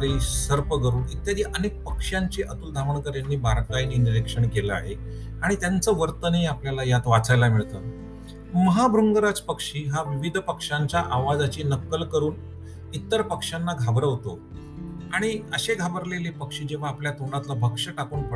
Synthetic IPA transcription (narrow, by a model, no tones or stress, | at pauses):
ɾiːsəɾpəɡəɾuːnit̪jad̪ʱiːʔənek̚pəkʂjaɲt͡ɕeʔət̪uːld̪ʱaʋəɳkəɾjanːiːbʱaɾkaininiɾekʂəɳkeləa̰ɦe | aɽ̃it̪jant͡səʋəɾt̪əniapljalajat̪ʋat͡sajlamiɭt̪ə̰ː | məɦabʱɾuŋɡəɾat͡spəkʂiːɦaʋiʋid̪ʱpəkʂaɲt͡ɕaʔaʋad͡zat͡ɕiːnəkːəlkəɾuːn | it̪ːəɾpəkʂanːaɡʱabɾəʋt̪o | aɽ̃iəɕeɡʱabəɾlelepəkʂiːd͡ʑeʋ̤aːpljat̪oɽat̪labʱəkʂəʈakuːnpə